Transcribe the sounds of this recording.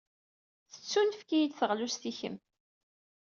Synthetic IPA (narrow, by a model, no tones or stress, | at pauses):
θə̥t͡sːunfkijid̪θəʁlusθiçə̰m